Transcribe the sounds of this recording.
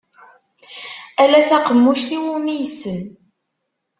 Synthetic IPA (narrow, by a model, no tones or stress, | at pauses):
ælæθæqəmːuʃθiwumijsən